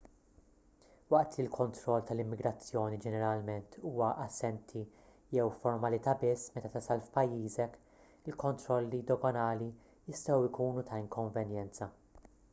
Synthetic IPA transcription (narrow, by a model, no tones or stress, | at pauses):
wɐʔt̪lɪlkʰɔnt̪ɾɔlːt̪ɐlɪmːɪɡɾɐt͡sːjɔːnid͡ʒɛnɛɾɐlmɛnt̪ʰuːwɐʔɐsːɛnt̪ʰi | jɛwfɔɾmɐlɪt̪ɐbɪsːmɛt̪ɐt̪ɐsɐlfpɐjːiːzɛk | ɪlkɔnt̪ɾɔlːid̪ɔɡɔnɐːli | jɪst̪ɛwɪkuːnut̪ʰɐɪŋkɔɱvɛnjɛnt͡sɐ